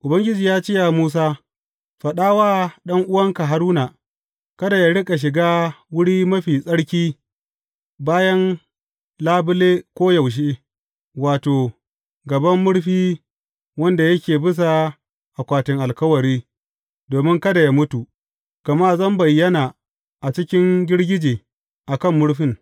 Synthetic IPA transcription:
ʔʊ˨bɐ˦ŋɡʲɪ˦d͡ʒiː˨jaː˦t͡ʃɪ˦ja˨muː˦s̬aː˦ | ɸɐ˨ɗaː˦waː˦ɗɐ˦ŋʔʊ˦wɐ˦ŋka˨ɦa˦ɾuː˦na˨ | kɐ˦da˨ja˦ɽɪ˦kʼa˨ʃ̬ɪ˨ɡaː˦wʊ˦ɽiː˦mɐ˦ɸiː˨sʼɐ˦ɽkʲiː˦ | baː˦jɐ˦n | laː˦bʊ˦leː˦kʷoː˦jɐ˨wʃ̬eː˦ | waː˨toː˨ | ɡɐ˨bɐ˦mːʊ˦ɽɸiː˦ | wɐ˦nda˨jɐ˦kʲeː˨bɪ˦s̬a˨ | ʔa˨kʷaː˨tɪ˨ŋʔa˨lkɐ˦wɐ˨ɽiː˦ | doː˨mɪ˦ŋkɐ˦da˨ja˦mʊ˦tu˨ | kɐ˨maː˦zɐ˦mbɐ˨jːɐ˦naː˨ | ʔa˨t͡ʃɪ˦kʲɪ˦ŋɡʲɪ˦ɽɡʲɪ˦d͡ʒeː˨ | ʔa˨kɐ˦˨mːʊ˦ɽɸɪ˦˨ŋ

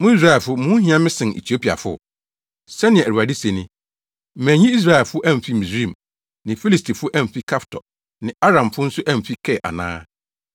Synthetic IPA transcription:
mʊ̃˦i˦s̬ɾa˦˨ɛ˨lfʊ˦mʊ̃˦hĩ˦ã˦mɪ̃˦sɪ̃˨n˨ḛ˨tʰi˨˦o˦pʰi˨a̰˨fʊ̰˦˨ | sɛ˦nɪ̃˨ɛ̃˨æ˨u˨a˨di˦se˨nɪ̃˦ | m̩˨mæ̃˨ɲĩ˦i˦s̬ɾa˦˨ɛ˨lfʊ˦ʔæ˦m̩˨fi˦mĩ˨sɾĩ˦˨m | nɪ̃˨fi˦li˨stʰi˨fʊ˦ʔæ̃˦m˨fi˦kʰa˦ftʰɔ̰˨ | nɪ̃˨a˦ɾã˨mfʊ˦n̩˦sʊ˦ʔæ˦m̩˨fi˦kʰɛ˦˨ʔa̰˨nã̰ː˦

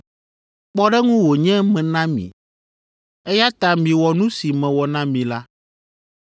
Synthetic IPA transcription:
k͡pɔ˦ɖɛ˦ŋũ˦wo˨ɲɛ̃˦mɛ̃˨nã˦mḭ̃˨ | ɛ˦ja˦t̪a˦mĩ˨wɔ˨nũ˦si˨mɛ̃˨wɔ˨nã˦mĩ˨la˦

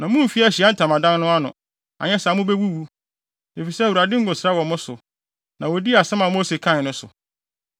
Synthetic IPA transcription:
nã˨mʊ̃˦m̩˨fi˦æ˦˨ɕi˨a˦n̩˦tʰã˨mã˨dã˦nnʊ̃˦a˦nʊ̰̃˨ | a̰˨ɲɛ̃˦sa˨mʊ̃˦be˦wu˦wu˦ | e˨fi˨sɛ˦æ˨wu˨ɾa˨dɪ˦ŋ̩˦ɡʊ̃˨sɾa˦wɔ̃˨mʊ̃˦sʊ˨ | nã˨wɔ˨di˦a˨sɛ̃˦mã˨mo˦se˨kʰã˦˨nʊ̃˦sʊ̰˨

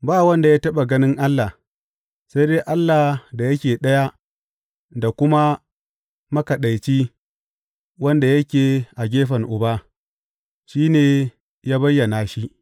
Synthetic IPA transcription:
baː˦wɐ˦nda˨jaː˦tɐ˦ɓa˨ɡɐ˦nɪ˦ŋʔa˦lːa˨ | sa˦deː˦ʔa˦lːa˨da˨jɐ˦kʲeː˨ɗɐ˦ja˦ | da˨kʷʊ˦ma˦ | mɐ˦kɐ˨ɗa˨jt͡ʃi˦ | wɐ˦nda˨jɐ˦kʲeː˨ʔa˨ɡʲeː˦ɸɐ˨ŋʔʊ˨baː˦ | ʃiː˦neː˨ | jaː˦bɐ˦jːɐ˨na˨ʃi˦

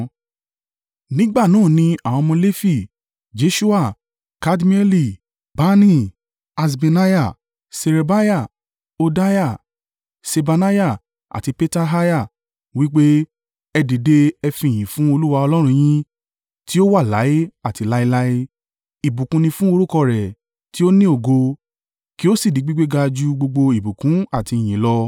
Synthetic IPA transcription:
nĩ˦ɡ͡ba˦˨nãː˦˨nĩ˧a˨w̃ɔ̃˧mɔ̃˧le˦fi˦˨ | d͡ʒe˨˧ʃu˦a˦˨ | ka˦dmĩ˦ɛ˦li˦˨ | ba˦nĩ˦˨ | a˧s̬be˧na˦ja˦˨ | se˧ɾe˧ba˦ja˦˨ | o˧da˦ja˦˨ | se˧ba˧na˦ja˦˨ | a̰˨ti˧pe˦ta˦ɦa˦ja˦˨ | wi˦k͡pe˦ | ɛ˧di˨de˦ɛ˧fĩ˨j̃ĩ˨fũ˦o˧lu˦wa˧ɔ˧lɔ˦ɾ̃ũ˧j̃ĩ˦ | ti˦o˦wa˦˨la̰˨˦i˦a˦˨ti˧la˦i˧la˦i˦ | i˨bũ˨kũ˧nĩ˧fũ˦o˧ɾu˦kɔ˧ɾɛ˨ | ti˦o˦nĩ˦o˦˨ɡo˧ | ki˦o˦si˦˨di˨˦ɡ͡bi˦ɡ͡be˦ɡa˧d͡ʒu˦ɡ͡bo˧ɡ͡bo˧i˨bu˨kũ˨˦a˦˨ti˧˨j̃ĩ˨lɔ˧

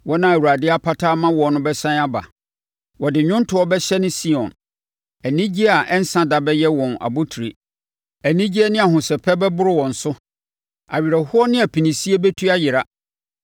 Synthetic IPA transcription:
wɔ˦nã˦˨æ˨u˨ɾa˨dɪ˦a˦pʰa˦tʰaː˦mã˦wɔ˨nʊ̃˦bɛ˦sã˦a˦ba̰˨ | wɔ˨dɪ˨ɲᶣʊ̃˦n˦tʰʊ˨˦ɔ˦bɛ˦ɕɛ˦nɪ̃˦si˦ɔ̃˨n | æ˨nĩ˦d͡ʑi˦a˨ʔɛ˦n̩˦sã˦da˨bɛ˦jɛ˦wɔ̃˨na̰˨bʊ˦tʰu˨ɾi˨ | æ˨nĩ˦d͡ʑi˦ɛ˦nɪ̃˦a˨ɦʊ̃˨sɛ˨pʰɛ˦bɛ˦bʊ˦ɾɪ˦wɔ̃˨n̩˨sʊ˦ | a̰˨ɥi˨ɾa˨hʊ˦ɔ˦nɪ̃˦a˨pʰĩ˨nĩ˨si˦e˦bɛ˦tʰu˦a˦jɪ˨ɾa˦

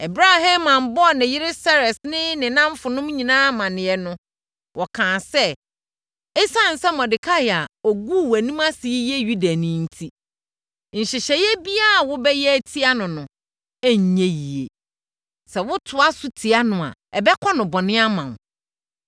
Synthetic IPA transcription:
ɛ˨bɾa˦ɦã˦mã˨mbɔ˦˨nɪ̃˨jɪ˦ɾɪ˦sɛ˦ɾɛ˨snɪ̃˦nɪ̃˨nã˦m˦fʊ˨nʊ̃˦m˦ɲĩ˨nãː˦mã˨nɪ̃˨jɛ˨nʊ̃˦ | wʔɔ˨kʰãː˨sɛ˦ | ɛ˦sa˦˨n̩˨sɛ˦mɔ̃˨dɪ˨kʰa˦i˨a˨o˨ɡu˦˨wæ˨nĩ˦ma˦si˨i˦jɛ˦ju˦da˨nɪ̃˦n̩˦tʰi˦ | ɲ̩˨ɕɪ˨ɕɛ˨jɛ˦bi˦a˦˨wʊ˦bɛ˦jɛ˦æ˦tʰi˦a˦nʊ̃˨nʊ̃˨ | ɛ˦ɲ˨ɲɛ̃˦ji˨ḛ˨ | sɛ˨wʊ˦tʰʊ˨a˦sʊ˦tʰi˨a˦nʊ̃˨a̰˨ɛ˨bɛ˦kʰɔ˦nʊ̃˨bɔ˨nɪ̃˦a˦mã˨m

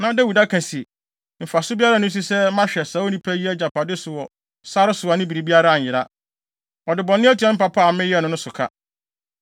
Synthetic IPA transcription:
nã˨ɔ˦dɛ˦wu˨da˦kʰã˨si˨ | m̩˨fa˨sʊ˦bi˦a˦ɾa˦nʊ̃˦s̬i˦sɛ˦mã˦ɕᶣɛ˨sa˨˦o˦nĩ˦pʰæ˦ji˦ɛ˦d͡ʑa˨pʰa˨dɪ˦sʊ˨wɔ˨ | sa˦ɾɪ˦sʊ˨a˨nɪ̃˦bi˨ɾi˨bi˦a˦ɾa˦a˨ɲ̩˨jɪ˨ɾa˦ | ɔ˨dɪ˨bɔ̃˨nːɪ̃˦ɛ˦tʰi˨˦ɛ̃˦m̩˦pa˨pʰa˦˨mɪ̃˦jɛ˦˨nʊ̃˦nʊ̃˦sʊ˨kʰa̰˦

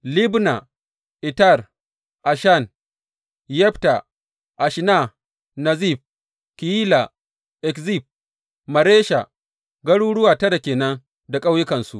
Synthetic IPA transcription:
li˦bna˨ | ʔɪ˨ta˦˨r | ʔa˨ʃa˦˨n | jɛ˦ɸta˨ | ʔa˨ʃna˦˨ | na˨zi˦˨b̚ | ki˨jiː˦la˨ | ʔɛ˨kzi˦˨b̚ | mɐ˨ɾeː˦ʃa̰˨ | ɡɐ˦ɽuː˦ɽʊ˦waː˨tɐ˦da˨kʲeː˨nɐ˦ŋ | da˨kʼa˦wjɪ˦kɐ˨nsṵ˦ʔ

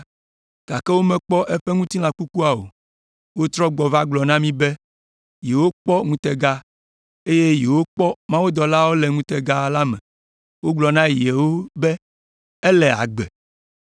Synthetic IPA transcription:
ɡ̥a˨kɛ˦wo˦mɛ̃˦˨k͡pɔ˦ʔɛ˦ɸɛ˦ŋũ˦t̪i˦lã˨ku˦ku˦a˨o̰˨ | wo˦t̪ɾɔ˦ɡ͡bɔ˨va˦ɡ͡blɔ˨nã˦mĩ˦be˦ | ji˨wo˦k͡pɔ˦ŋũ˦t̪ɛ˦ɡa˦ | e˦je˦ji˨wo˦k͡pɔ˦mã˦wuo˦d̪ɔ˨la˦wo˦lɛ˨ŋũ˦t̪ɛ˨ɡa˦la˦mɛ̰̃˨ | wo˦ɡ͡blɔ˨nã˦ji˨e˨wo˦bɛ˦ | e˦lɛ˨a̰˨ɡ͡bɛ̰˨

